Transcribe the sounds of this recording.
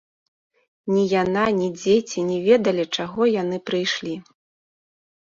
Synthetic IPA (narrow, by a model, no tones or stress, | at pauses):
nʲijananʲid͡zʲet͡sʲinʲɛvʲɛd̪ɐlʲit͡ʂaɣɔjanɨpɾɨjʂlʲi